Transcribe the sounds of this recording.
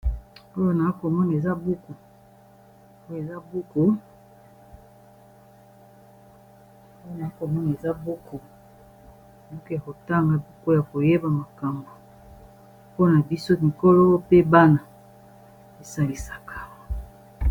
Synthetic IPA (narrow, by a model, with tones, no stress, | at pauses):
o˦jo˦na˨a˦ko˨mɔ˦na˨e˨za˦bu˦ku˨ | o˦jo˦˨e˨za˦bu˦ko˨ | o˦jo˦na˨i˦ko˨mɔ˦na˨e˨za˦bu˦ko˨ | bu˦ko˦ja˨ko˨ta˦ŋɡa˦bi˦ko˦ja˨ko˨je˦ba˨ma˨ka˨mbo˨ | po˦na˨bi˦so˦mi˨ko˦lo˦pe˦ba˦na˨ | e˨sa˦li˦sḁ˨ka˦˨